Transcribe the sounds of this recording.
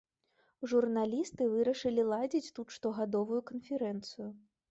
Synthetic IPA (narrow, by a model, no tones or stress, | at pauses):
ʐurnalʲist̪ɨvɨɾɐʂɨlʲilˠad͡zʲit͡sʲt̪ut̪ʂt̪ɔɣad̪ɔvujukɐnfʲɛɾɛnt̪sɨju